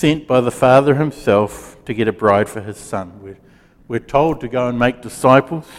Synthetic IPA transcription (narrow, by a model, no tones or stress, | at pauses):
sɛ̃nb̥aɪðəfɑðə˞ɨ̃msɛlˠftʰɨɡɛɾɨbɹaɪd̥fə˞ɨz̥sʌ̃nwiɹ | wɨɹtʰoʊlˠd̚tɨɡoʊə̃nmeɪk̚d̥ɨsaɪpl̩ˠz̥